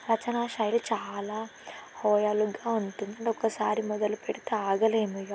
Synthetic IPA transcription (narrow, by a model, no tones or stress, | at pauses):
ɾɐt͡ʃɐnaːʃaːjilut͡ʃaːlaːhɔːjaluɡaːuɳʈund̪ɐɳɖiɔkːɐsaːɾimɔd̪ɐlupeɽit̪eaːɡɐleːmuja